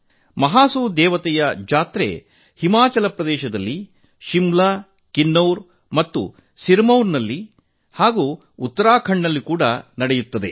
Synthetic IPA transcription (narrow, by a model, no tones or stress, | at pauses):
mɐɦaːsuːd̪ɛːʋɐt̪ɛjɐd͡ʒaːt̪ɾḛ | himaːt͡ʃɐlɐpɾɐd̪ɛːʃɐd̪ɐlːi | ʃimla | kinːɐwɾ | mɐt̪ːṵ | siɾmɐwɾnɐlːi | haːɡuː | ut̪ːɐɾaːkʰɐɳːɐlːikuːɽɐnɐɽɛjut̪ːɐd̪e